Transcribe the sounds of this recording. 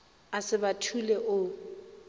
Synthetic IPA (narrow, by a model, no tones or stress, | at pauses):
asɪbatʰulɛʔʊ